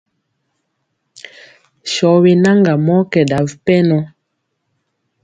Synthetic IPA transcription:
ʃɔ˨˦we˨na˦ŋɡa˨mɔ˦kɛ˨da˨vpɛ˦nɔ˦

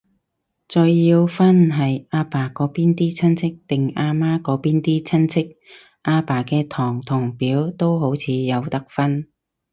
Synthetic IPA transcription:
t͡sɵ˧jjiː˧wfɐ˥nɦɐ˨jaː˧paː˨˩kɔː˨˥piː˥nt̪iː˥t͡sʰɐ˥nt͡sʰɪ˥k̚t̪ɪ˨ŋaː˧maː˥kɔː˨˥piː˥nt̪iː˥t͡sʰɐ˥nt͡sʰɪ˥k̚ | ʔaː˧paː˨˩kɛː˧t̪ʰɔː˨˩ŋt̪ʰʊ˨˩ŋpiː˨˥wt̪o˥wɦo˨˥wt͡sʰiː˨˧jɐ˨˧wt̪ɐ˥k̚fɐ˥n

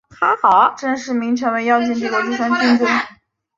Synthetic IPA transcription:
t̪ʰa˧˥xɑ˨˩˦ʊʈ͡ʂɤ˥˧ŋʂɻ̩˥˩mi˧˥ŋʈ͡ʂʰɤ˧˥ŋwe˧˥ɪjɑ˥˧ʊt͡ɕʰɛ˥˧nʈ͡ʂɤ˥˩ɡə˨˩ʈ͡ʂu˥˩ʂwa˥ŋɕy˥˧nʈ͡ʂə˥˩n

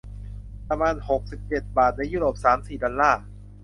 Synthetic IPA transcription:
pɾa˧maː˧nho˨˩k̚si˨˩p̚t͡ɕe˨˩t̪̚baː˨˩t̪̚na˧juː˥˩ɾoː˨˩p̚saː˩˦msiː˨˩dɔ˧nlaː˥˩

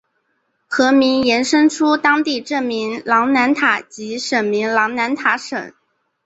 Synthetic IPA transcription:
xɤ˧˥mi˧˥ŋjɛ˧˥nʂɤ˥ŋʈ͡ʂʰu˥t̪ɑ˥ŋt̪i˥˧ʈ͡ʂɤ˥˩mi˧˥ŋlɑ˧˥ŋna˧˥nt̪ʰa˨˩˦t͡ɕi˧˥ʂə˨˩nmi˧˥ŋlɑ˧˥ŋna˧˥nt̪ʰa˧˥ʂə̰˨˩˦

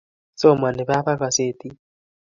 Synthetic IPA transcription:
so˦˨ma˨ni˨βa˦pa˦ka˨se˦˨t̪i˦

